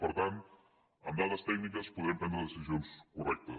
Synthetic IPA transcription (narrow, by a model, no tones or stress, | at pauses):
pəɾt̪ant̪ | əmd̪aðəst̪ɛkɡ̚nikəspuðɾɛmpɾɛnd̪ɾəðəsizionskurɛk̚t̪ə̰